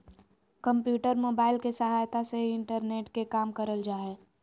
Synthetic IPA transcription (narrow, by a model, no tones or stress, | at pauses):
kə̃mpjuːʈəɾmoːbaːɪlkesəɦaːjt̪aseɪ̃ɳʈəɾneːʈkekaːmkəɾəld͡ʒaːɛː